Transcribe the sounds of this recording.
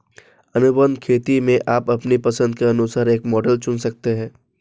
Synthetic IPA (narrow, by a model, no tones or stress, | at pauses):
ɐnʊbə̃nd̪kʰeːt̪imẽʔaːpɐpnipɐsə̃nd̪̚keɐnusaːɾeːkmɔːɖəlt͡ʃʊnsɐk̚t̪eɦɛ̃ː